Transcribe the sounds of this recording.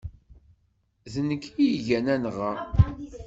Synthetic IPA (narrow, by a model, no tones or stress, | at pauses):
ðənəkːiʝænænʁə